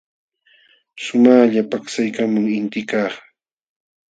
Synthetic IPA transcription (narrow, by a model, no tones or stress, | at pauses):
ʃʊmaːʎapaksajkamaŋɪnt̪ɪkaːχ